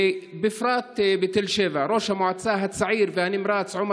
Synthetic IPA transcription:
bɪfɾˤɑːt̪bɪt̪ɪlʃɪvaɾˤoːʃamʊʕat̪saːɦat̪saʕiːɾvɪʔanimɾˤɑːt̪sʕʊm

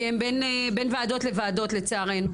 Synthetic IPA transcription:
embenbenvaad̪o̞tlevaadotlet͡seaʁen

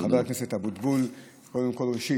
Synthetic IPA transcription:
abaʁakneset̪habud̪bul | kod̪emkolʁeʃi

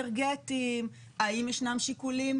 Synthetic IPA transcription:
eʁɡetim | aimjeʃnamʃikulim

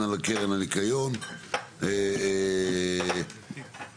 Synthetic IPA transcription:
alakeʁenanikajon | e

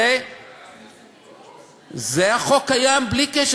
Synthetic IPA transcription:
e | zeaχokajamblikɛʃ

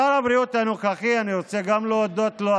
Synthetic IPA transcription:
aɾabɾiut̪anuχaχianiʁot͡seɡamloːd̪ot̪lo

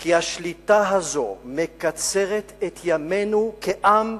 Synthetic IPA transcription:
kihaʃlit̪aɦazo̞mekat͡se̞ʁet̪et̪ʰjame̞nukeʔam

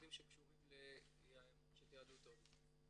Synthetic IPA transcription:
d̪imʃekʃuʁimle | jaemunʃet̪iad̪ut̪ov

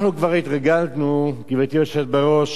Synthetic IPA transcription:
χnukvaʁit̪ʁaɡaltnukivet̪joʃet̪̚beʁo̞ʃ

